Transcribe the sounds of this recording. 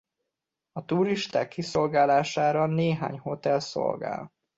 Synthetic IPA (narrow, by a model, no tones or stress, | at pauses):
ɒt̪uɾiʃt̪aːkːiso̞lɡaːlaːʃaːɾɒneːɦa̰ːɲho̞t̪ɛlso̞̰lɡa̰ːl